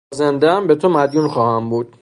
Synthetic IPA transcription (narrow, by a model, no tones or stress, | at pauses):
zend̪eæmbet̪ʰomæd̪juːnxɒːhæmbuːd̪̥̚